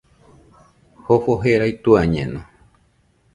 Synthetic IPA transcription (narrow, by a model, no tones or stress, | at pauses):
hofoɦeɾajt̪uaɲḛ̃nõ